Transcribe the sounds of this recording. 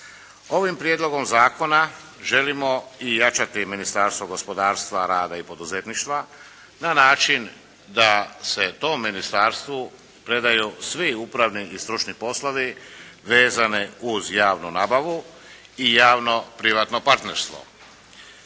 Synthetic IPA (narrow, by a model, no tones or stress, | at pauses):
o̞ʋimpɾjed̪lˠo̞ɡo̞mzaːko̞na | ʒe̞limo̞ijat͡ʃat̪iminist̪aːɾst̪ʋoɡo̞spo̞d̪aːɾst̪ʋaɾaːd̪aipo̞d̪uzet̪niʃt̪ʋa | nanaːt͡ʃin | d̪ase̞t̪o̞ːmːinist̪aːɾst̪ʋu | pɾe̞d̪ajusʋiupɾaʋniist̪ɾut͡ʃnipo̞slaʋiʋe̞ːzaniuzjaːʋnunaːbaʋu | ijaːʋno̞pɾiʋat̪no̞paɾt̪ne̞ɾst̪ʋo̞̰